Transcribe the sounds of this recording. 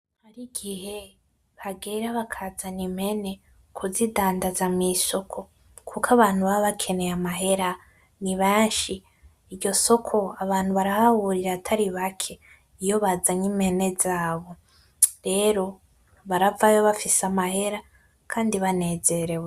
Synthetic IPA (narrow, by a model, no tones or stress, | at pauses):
haɾiɡihe̞ | βaɡeɾaβakʰazanimhe̞ne̞ | kʰuzidaːndazamiso̞kʰo̞ | kʰukaβaːn̥huβaβakʰe̞ne̞jamaɦe̞ɾa | niβeːnʃiː | ɾɟo̞so̞kʰo̞aβaːnhuβaɾahahuɾiɾatʰaɾiβakʰe̞ | ijo̞βazaɲime̞ne̞zaːβo̞ | ɾe̞ɾo̞ | βaɾavajoβafisamahe̞ɾa | kʰaːndiβane̞ːze̞ɾe̞we